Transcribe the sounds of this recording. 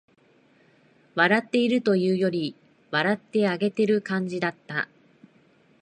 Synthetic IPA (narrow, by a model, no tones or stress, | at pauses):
βaɾat̪ːe̞iɾɯ̟t̪o̞jɯ̟ːjo̞ɾʲi | βaɾat̪ːe̞aɡe̞t̪e̞ɾɯ̟kãɲ̟d͡ʑid̪at̪ːa